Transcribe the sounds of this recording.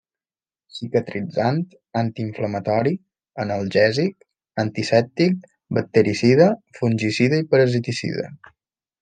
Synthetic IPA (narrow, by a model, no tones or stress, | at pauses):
sikət̪ɾid͡zant̪ | ant̪iːɱfləmət̪ɔɾi | ənəlˠʒɛzik̚ | ənt̪isɛp̚t̪ik̚ | bək̚t̪ːəɾisiðəfunʲʒisiðəipəɾəzit̪isḭðə̰